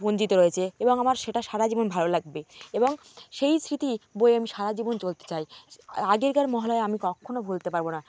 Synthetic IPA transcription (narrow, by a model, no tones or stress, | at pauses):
bond͡ʑit̪oɾojet͡ɕʰeeboŋamaɾʃeʈaʃaɾad͡ʑibonbʱalolaɡ̚beeboŋ | ʃejsɾit̪iboeamiʃaɾad͡ʑibont͡ɕolt̪e̥t͡ɕajaɡeɾɡaɾmɔɦolɔeamikɔkʰonobʱult̪epaɾbona